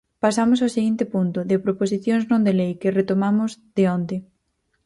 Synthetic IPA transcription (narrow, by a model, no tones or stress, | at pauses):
pasamʊsawseɣint̪ɪpunt̪ʊðɪopɾoposiθjoŋznõnd̪elejkɪret̪omamʊzðeond̪ɪ